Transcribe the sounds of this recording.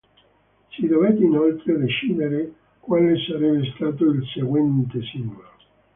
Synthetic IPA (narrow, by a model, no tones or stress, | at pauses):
sid̪ovet̪ːeinolt̪ɾed̪et͡ʃiːd̪eɾe | kwaːlesaɾɛbːest̪aːt̪̬oilseɡwɛnt̪esilma